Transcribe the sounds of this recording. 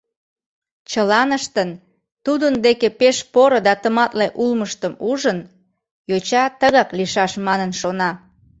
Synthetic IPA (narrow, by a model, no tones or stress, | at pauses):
t͡ɕəlɑnəʃt̪ən | t̪ud̪ənd̪ekepeʃpoɾod̪ɑt̪əmɑt̪leʔulməʃt̪əmuʒən | jot͡ɕɑt̪əɣɑkliʃɑʃmɑnənʃonɑ